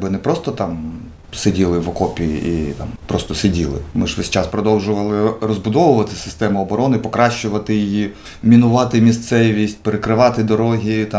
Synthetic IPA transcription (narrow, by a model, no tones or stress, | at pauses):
bɪnɛpɾɔst̪ɔt̪ɑm | sedʲilˠɪʋɔkɔpʲiḭʔit̪ɑ̰mpɾɔst̪ɔsɪdʲilˠɪ̰mɪʒʋɛsʲt͡ʃɑspɾɔd̪ɔwʒʊʋɐlˠɪrɔzbʊd̪ɔʋʊʋɐt̪ɪsɪ̥st̪ɛmʊɔbɔɾɔnɪpɔkɾɑʃt͡ʃʊʋɐt̪ɪjiji | mʲinʊʋɑt̪ɪmʲist̪sɛʋʲisʲt̚ʲpeɾekɾɪʋɑt̪ɪd̪ɔɾɔɦʲit̪ɑ